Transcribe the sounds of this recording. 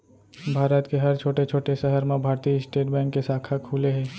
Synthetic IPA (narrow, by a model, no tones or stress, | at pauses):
bʱaːɾət̪keɦɐɾt͡ʃʰoːʈet͡ʃʰoːʈeʃəɦəɾmẽbʱaːɾt̪iɪsʈeːʈbɛ̃ːŋkːesaːkʰakʰuːleɦɛ̃ː